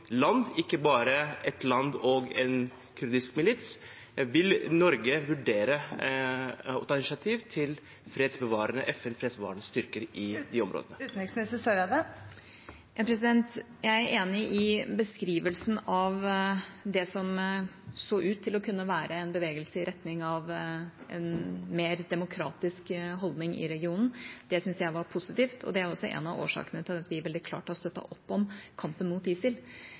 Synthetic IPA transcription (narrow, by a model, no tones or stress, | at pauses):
lɑnd̪ɪkːəbɑːɾəɛt̪lɑnd̪ɔɡɛn | kʰʉɾd̪ɪskmɪlɪt̪s | ʋɪlnɔɾɡəʋʉɖeːɾə | ɔt̪ʰɑɪnɪʂɑt̪ʰiːʋt̪ʰɪl | fɾeːd̪sbəʋɑːɾənə̰ʔɛfɛnfɾeːd̪sbəʋɑ̰ːɾənəst̪ʏɾkəɾʔɪd̪ɪɔ̰mɾo̰ːd̪ənət̪n̩ɛksmɛsəsød̪ɛ | jɑːpʰɾɛsɪd̪ɛnt̪ | jæɪæɾeːnɪʔɪbəskɾiːʋəlsn̩ɑʋ | d̪ɛsɔm | soːʔʉːt̪ʰːɪlɔkʰʉnːəʋæːɾʔəɛnbəʋeːɡəlsəɪɾʔɛt̪nɪŋɑʋʔɛ̰nmeːɾd̪ɛmʊkʰɾɑ̰ːt̪ɪskɦɔld̪nɪŋʔɪ̰ɾɛɡɪuːnn̩d̪̥ɛsʏnsjæɪʋɑɾpʰʊsɪt̪iːft̪ʰɔ̰d̪ɛæɾɔsːɔʔɛ̰nɑʋo̰ːʂɑ̰ːkənət̪ʰɪlɑt̪ʋɪʋɛld̪ɪkʰlɑ̰ːʈɔst̪œt̪ːɑ̰ʔɔpːɔmkʰɑmpənmuːt̪iːsɪl